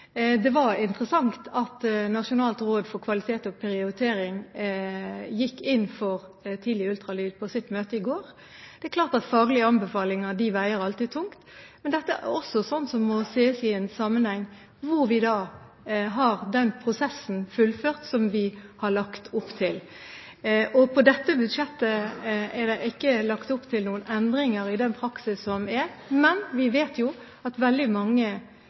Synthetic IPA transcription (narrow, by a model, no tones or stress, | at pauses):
d̪ɛʋɑɾɪnt̪əʁəsɑŋt̪ɑt̪nɑʂʊnɑːlt̪ɾoːd̪fɔɾkʰʋɑlɪt̪ʰeːt̪ɔpʰɛɾɪʊɾət̪ʰeːɾɪŋ | jɪkːɪnːfɔʁ | t̪ʰiːd̪lɪəʉlt̪ɾɑlyːd̪pʰɔsɪt̪ːmøːt̪əɪɡoːɾ | d̪̥ɛɛklɑːʁt̪ɑt̪fɑːɡlɪəɑnbɛfɑːlɪŋɑd̪ɪʋæɪəɾɑlt̪iːd̪̚t̪ʰʊŋt̪mɛnd̪ɛt̪ːəʔæ̰ɔsɔsɔnːsɔmːɔseːsɪɛnsɑːmːənhæŋː | ʋʊɾʋɪd̪ɑː | ɦɑɾd̪ɛnpʰɾʊsɛsːn̩fʉlføːʁt̪sɔmʋɪhɑɭɑkt̪ʰʊpːt̪ʰɪl | ɔpʰɔd̪ɛt̪ːəbʉd̪ʂɛt̪ːəɛd̪æɪʔɪkːəlɑkt̪ʊpːt̪ʰɪlnuːənɛnd̪ɾɪŋəɾɪd̪ɛnpʰɾɑksɪsɔmɛɾ | mɛnʋɪʋeːt̪jʊ | ɑt̪ʋɛld̪ɪmɑŋːə